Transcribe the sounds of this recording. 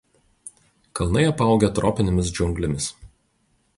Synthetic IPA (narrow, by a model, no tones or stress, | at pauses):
kɐlˠnɐɪɐpɑˑʊɡʲɛt̪ɾɔːpʲɪnʲɪmʲɪsd͡ʒʲʊŋɡlʲɪmʲɪs